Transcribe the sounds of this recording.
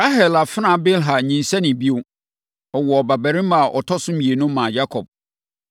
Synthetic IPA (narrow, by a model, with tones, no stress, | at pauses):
ɾa˦ɦɛ˨la˨fɪ˦nã˨bɪ˦lɦa˨ɲĩ˨n˨sɛ˦nɪ̃˨bi˦o˦ | ɔ˨wɔ˨ba˨bæ˨ɾɪ̃˦ma˨ʔɔ̰˨tʰɔ˦sʊ̃˦mje˨nʊ̃˦mːã˨ja˦kʰɔ˨b̥̚